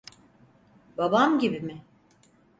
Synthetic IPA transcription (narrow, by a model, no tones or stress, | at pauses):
babamɟibimɪ